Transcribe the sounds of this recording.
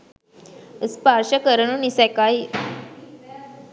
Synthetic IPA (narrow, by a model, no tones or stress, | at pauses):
əspaɾɕəkəɾənunisɛkai